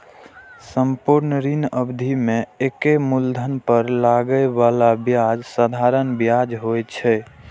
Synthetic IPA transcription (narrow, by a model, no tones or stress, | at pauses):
səmpuɾnɾinəbd̪ʱimẽekemuld̪ʱənpəɾlaɡəeβalabjad͡ʒsəd̪ʱaɾənbjad͡ʒɦoɛt͡ʃʰɛ